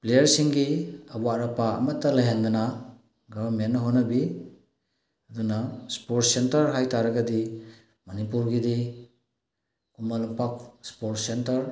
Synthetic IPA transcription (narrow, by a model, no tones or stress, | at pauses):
plejɐɾsiŋɡiɐwaɾɐpaɐ̰mɐtːɐlɐɦand̪ɐnɐ | ɡɐbɐɾmenːɐɦonːɐbi | ɐdunaspoɾtsentɐɾɦajtaɾɐɡɐdi | mɐnipuɾɡidi | kumalupak̚spoɾtsentɐɾ